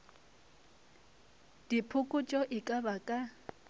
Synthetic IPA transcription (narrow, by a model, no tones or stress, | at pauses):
d̥ipʰʊkʼʊt͡ʃʼɔʔɪkʼabakʼa